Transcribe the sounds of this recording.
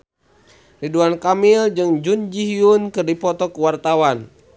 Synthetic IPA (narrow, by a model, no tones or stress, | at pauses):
riduankamild͡ʒɨŋd͡ʒund͡ʒiɦiunkɨrdipɔt̪ɔkuwart̪awan